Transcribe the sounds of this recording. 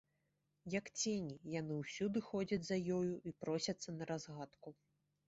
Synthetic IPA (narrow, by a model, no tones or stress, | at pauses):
jɐkt͡sʲenʲijanɨwsʲud̪ɨxɔd͡zʲɐd͡zʲzɐjɔjuʔipɾɔsʲɐt̪sːɐnɐɾazɣat̪ku